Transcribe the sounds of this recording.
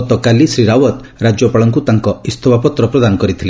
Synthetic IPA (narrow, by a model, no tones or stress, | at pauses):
t̪ɔkalisɾiɾawɔt̪ | ɾad͡ʒjɔpaɭɔŋkut̪aŋkɔist̪ʰɔbʱapɔt̪ɾɔpɾɔd̪anɔkɔɾit̪ʰile